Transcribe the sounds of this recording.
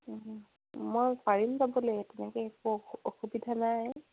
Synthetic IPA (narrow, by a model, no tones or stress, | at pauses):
mojsaɹinzabɔlojɛtɛnɛkɛkɔoxubidʱanaj